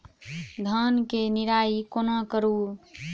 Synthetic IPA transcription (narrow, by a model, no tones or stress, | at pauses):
d̪ʱənkeniɾaikonakəɾu